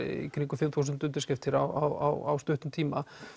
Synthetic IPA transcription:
ḭkʰɾiŋkʏfɪmθuːsʏnt̪ʏnt̪ɪɾ̥skcɪft̪ʰɪɾawa̰wa̰wa̰wst̪œht̪ʏmt̪ʰiːma

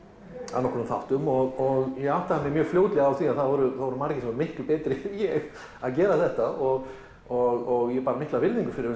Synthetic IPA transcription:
a̰nɔhkɔɾnʏmθawht̪ʏmɔɣɔɣjɛɣawht̪aðamjɛmjœːɣfljoːwt̪lɛɣaawθiaðθaðvɔɾʏθaðvɔɾʏmaɾcɪsɛmvɔɾmɪhklpɛːt̪ɾɪjɛɣ | aðcɛːɾaθɛht̪aɔɣ | ɔɣɔɣjɛpaːɾamɪht̪lavɪɾðiŋkʏfɪɾɪɾʏ

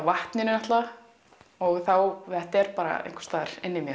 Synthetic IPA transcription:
vaht̪nɪnɪnaht̪la | ɔɣθawɛht̪ɛɾ̥paːɾa̰ḛjŋkst̪aːðɪɾ̥ɪnːɪmjœ

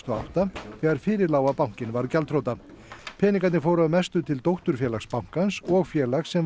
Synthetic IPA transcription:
t̪ʰɔa̰wt̪aθɛːɣaɾ̥fɪːɾɪɾlaːwapaw̥ŋ̥cɪnvaɾcalt̪ʰɾowt̪a | pʰɛːnĩŋkat̪nɪfoːwɾaðʏmɛst̪ʏt̪ʰɪlt̪owht̪ʏɾ̥fjɛːlaxspawŋ̥kansɔɣfjɛːlaxsːɛm

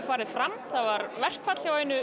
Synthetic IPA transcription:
faːɾɪðfɾamθavaɾvɛr̥kfat̪l̥jawenʏ

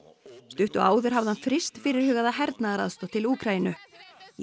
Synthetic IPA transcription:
st̪ʏht̪ʏaːwðʏɾ̥ɦavðhanfɾɪst̪fɪɾɪɾ̥hʏːɣaðaɦɛɾt̪naðaɾa̰ðst̪ɔt̪ʰɪluːkʰɾainʏ

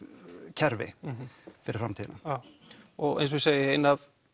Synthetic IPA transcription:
cʰɛɾvɪ̰ | fɪɾɪɾfɾamt̪ʰiːðlnaaɔɣḛjns̬seːjɪeːjnað

